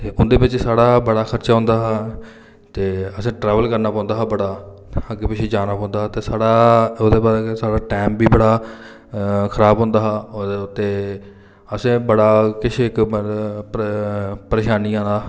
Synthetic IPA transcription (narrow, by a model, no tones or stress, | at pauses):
t̪eːʔʊnd̪eːbɪt͡ʃsaːɽaːbəɽaːkʰəɾt͡ʃaːɦʊ̃nd̪aːɦaː | t̪eːəsẽːʈɾɛːʋəlkəɾnaːpɔ̃ːnd̪aːɦabəɽaː | əɡeːpɪt͡ʃʰed͡ʒaːnaːpɔ̃ːnd̪aːɦt̪eːsaːɽaːoːd̪eːbaːɾsaːɽaːʈeːmbiːbəɽaː | kʰəɾaːbɦʊ̃nd̪aːɦaːt̪eː | əsẽːbəɽaːkɪʃʰɪk | pəɾeːʃaːniːãːnd̪aː